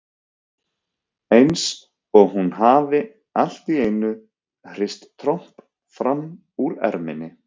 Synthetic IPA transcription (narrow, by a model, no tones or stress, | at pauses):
ejns | ɔɣɦunɦaːvɪ | al̥t̪ieːjnʏ | hr̥ɪjst̪ːʰɾowm̥p | fɾam | uɾɛ̰ɾmɪ̰nɪ